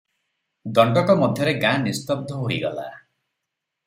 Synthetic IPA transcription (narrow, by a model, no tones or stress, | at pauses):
d̪ɔɳɖɔkɔmɔd̪ʱjɔɾeɡãnist̪ɔb̚d̪ʱɔɦoiɡɔla̰